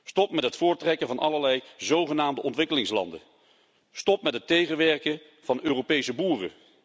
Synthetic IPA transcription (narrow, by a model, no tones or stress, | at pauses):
stɔpmɛtɦətfʊːɹtrɛkənvɑnʔɑləɹlɛjzowχənaːmdəʔɔntʋɪkəlɪŋslɑ̰ndə̰ | stɔpmɛtɦətːejχənʋɛɹkə | v̥ɑnøːrowpejsəbuːrə̰